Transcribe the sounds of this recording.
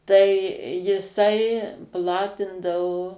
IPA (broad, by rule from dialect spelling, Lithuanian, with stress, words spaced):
ˈtɐɪ jɪˈsɐɪ ˈplˠɑːtʲɪndɐʋoː